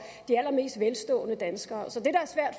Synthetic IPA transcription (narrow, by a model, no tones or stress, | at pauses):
d̥iæl̰ɐme̝̰ːsd̥ʋelsd̥ɔ̰̽ːnəd̥ænsɡ̥ɐːsɒ̽d̥e̝ɾ̥ɑ̈æɐsʋæɐ̰d̥